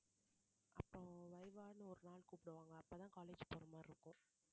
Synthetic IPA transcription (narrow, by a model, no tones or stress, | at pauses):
ʔɐpːoːʋɐɪʋaːnɯɔɾɯnaːlkuːpɪɽɯʋaːŋɡɐːpːoːt̪ãːkaːleːd͡ʒpoːɾɐmaːɪɾɯkːʊ̃